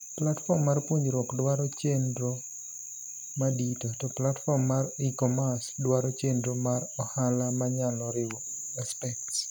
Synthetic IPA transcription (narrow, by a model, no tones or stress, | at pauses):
platfɔmːarpwoɲd͡ʒɾɔkdwaɾɔt͡ʃendɾo | maditɔtɔplatfɔmːaɾikɔmasdwaɾɔt͡ʃendɾomaɾɔhalamaɲalɔɾɪwɔ | aspɛk̚ts